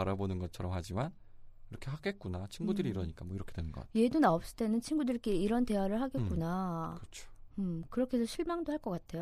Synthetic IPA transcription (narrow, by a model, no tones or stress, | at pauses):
aɾabonɯnɡʌt͡ɕʰʌɾʌmhad͡ʑiman | kiɾʌkʰe̞ɦaɡe̞t̚k͈unat͡ɕʰinɡudɯɾiːɾʌɲik͈amwʌiɾʌkʰe̞d̥wenɯnɡʌ̰tje̞donaop̚s͈ɯ̥t͈e̞nɯnt͡ɕʰinɡudɯɭk͈e̞iɾʌnte̞waɾɯɭhaɡekk͈unaɯʌt͡ɕʰo̥ɯmkɯɾʌkʰe̞sʰʌɕʰiɭmaŋdoɦaɭk͈ʌk͈atʰe̞jo